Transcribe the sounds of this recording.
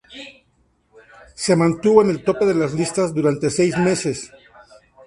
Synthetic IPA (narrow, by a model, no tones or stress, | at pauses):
se̞mãnt̪uβoene̞lt̪o̞pe̞ðe̞lazlist̪azd̪uɾant̪esejzme̞se̞s